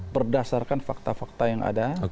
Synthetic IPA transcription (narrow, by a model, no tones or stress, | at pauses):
bərdasarkanfak̚t̪afak̚t̪ajaŋa̰da